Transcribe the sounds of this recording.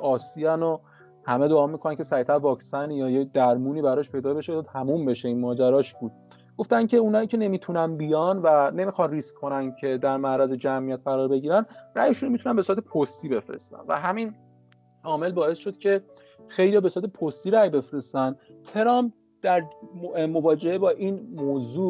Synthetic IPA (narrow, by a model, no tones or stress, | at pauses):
ɒːsiæno | hæme̞d̪oɒːmiːkʰonænkcʰe̞sæɾit̪ʰæɾvɒːksænijɒːjecd̪æɾmuːniːbæɾɒːʃpʰe̞jd̪ɒːbe̞ʃeɒt̪ʰæmuːmbe̞ʃe̞inmɒːd͡ʒæɾɒːʃbuːd̪̚ | ɡ̥o̞ft̪æncʰe̞uːnɒːjiːcʰe̞ne̞miːt̪ʰunænbijɒnvæne̞mixɒnriskkʰːo̞næncʰe̞d̪æɾmæɾæzed͡ʒæmijæt̪ɢæɾɒːɾbe̞ɟiːɾænræjeʃunmit̪unænbesuːɾæt̪ʰepʰost̪iːbe̞fɾḛst̪æ̰nvæ̰ɦæmin | ɒːme̞lbɒːe̞sʃo̞d̪̥cʰe̞ | xe̞jlijɒbesuɾæt̪ʰe̞pʰost̪iɾæjbe̞fɾe̞st̪ænt̪ʰe̞ɾɒmb | d̪̥æɾmovɒːd͡ʒehebɒːʔiːnmozuː